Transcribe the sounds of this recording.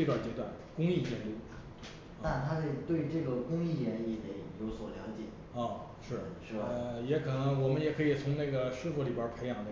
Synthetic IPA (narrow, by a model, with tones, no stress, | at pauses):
t̪wa˥˩t͡ɕɛ˧˥t̪wa˥˩nkʊ˥ŋi˥˩t͡ɕjɛ˥˧nt̪u˥˩˥ | na˥˩nt̪ʰa˥xe˥˧ɪt̪we˥˧ɪ˧ʈ͡ʂɤ˥˩ɡə˩kʊ˥ŋi˥˩jɛ˧˥ni˥˩t̪ə˧˩ɪjo˧˥ʊswɔ˨˩ljɑ˧˥ʊt͡ɕjɛ̰˨˩˦ | ɔ˥˩ | ʂɻ̩˥˩ɻ̩˥˩˥jɛ˧˥kʰɤ˨˩nɤ˧˥ŋwɔ˨˩mə˦njɛ˧˩kʰɤ˧˥i˨˩t͡sʰʊ˧˥ŋna˥˩ɡə˩ʂɻ̩˥˧fu˧˩li˨˩bjə˞˨˩pʰe˧˥ɪjɑ˨˩ŋd̪ə˧